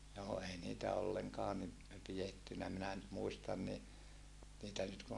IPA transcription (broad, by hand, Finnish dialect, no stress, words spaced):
joː ei niːtæ olːeŋkɑː ni pijetːynæ minæ nyt muistɑn ni niːtæ nyt kun